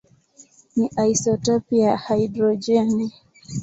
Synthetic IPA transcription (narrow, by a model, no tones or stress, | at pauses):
niʔaisɔtɔpiahaidɾɔd͡ʒɛni